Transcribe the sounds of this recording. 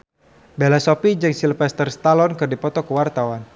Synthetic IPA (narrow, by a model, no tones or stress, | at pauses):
belasɔpid͡ʒəŋsilfɛst̪ərst̪alɔnkɨrdipɔt̪ɔkəwart̪awan